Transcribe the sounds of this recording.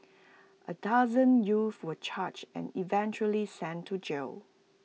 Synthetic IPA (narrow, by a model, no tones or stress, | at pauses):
ʔədazə̃njufwət͡ʃʰat͡ʃɛ̰̃nivɛ̃nt͡ʃəlisɛ̃ntʰud͡ʒel